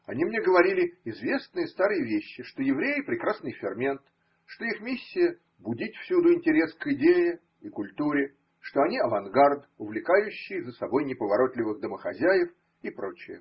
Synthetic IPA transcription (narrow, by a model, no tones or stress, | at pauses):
ɐnʲimnʲeɡəvɐɾʲilʲɪɪzvʲe̞snɨjəst̪aɾɨjəvʲeɕːɪʂt̪ojɪvɾʲejɪpɾʲɪkɾasnɨjfʲɪrmʲent̪ | ʂt̪o̞ixmʲisʲːɪjə | bʊdʲitʲfsʲud̪ʊɪnʲtʲɪɾʲe̞skɪdʲejɪ | ikʊlʲt̪uɾʲɪ | ʂt̪oɐnʲiɐvɐnɡard̪ | ʊvlʲɪkajʉɕːɪjzəsɐbo̞jnʲɪpəvɐɾo̞t̪lʲɪvɨɣd̪əməxɐzʲæjɪf | ipɾo̞t͡ɕɪjə̰